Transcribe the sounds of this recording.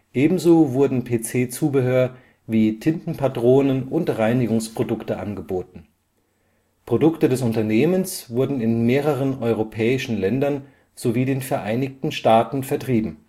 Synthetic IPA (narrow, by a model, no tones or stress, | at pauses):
ʔeːbm̩zoːvʊɐdn̩pʰeːt͡seːt͡suːbəɦøːɐ | viːtʰɪntn̩pʰatʁ̥oːnənʔʊntʁaɪnɪɡʊŋspʁ̥odʊktəʔa̰nɡəboːtn̩ | pʁ̥odʊktədɛsʊntɐneːmənsv̥ʊɐdn̩ɪnmeːʁəʁ̞ənʔɔʏʁopʰɛːɪʃn̩lɛndɐn | z̥oviːdeːnfɛɐʔaɪnɪçtn̩ʃtaːtn̩fɛɐtʁ̥iːbm̩